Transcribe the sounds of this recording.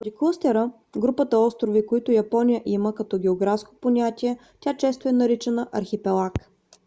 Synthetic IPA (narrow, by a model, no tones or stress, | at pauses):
d̪ʲiklˠost̪ɛɾə | ɡɾupət̪əɔst̪ɾovikoit̪ʊjɐpɔnʲijəʔiməkɐt̪ɔɡʲɛoɡɾafsko̥ponʲat̪ʲiɛ | t̪ʲat͡ʃɛst̪oɛnɐɾit͡ʃɛnəʔɐɾxipɛlˠak